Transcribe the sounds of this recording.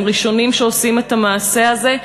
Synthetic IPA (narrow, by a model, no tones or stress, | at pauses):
ʁiʃo̞nimʃeosime̞tamaːse̞aze̞